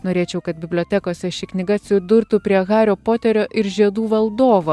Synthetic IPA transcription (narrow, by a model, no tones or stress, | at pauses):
noːɾʲeːt͡ʃʲɛʊkɐt̪̚bʲɪbʲlʲoːt̪ʲɛkoːsʲɛʃʲɪknʲɪɡɐsʲʊd̪ʊɾt̪uːpʲɾʲiɛɣɑːɾʲoːpoːt̪ʲɛɾʲoːʔɪɾʒʲiɛd̪uːʋɐlˠd̪oːʋo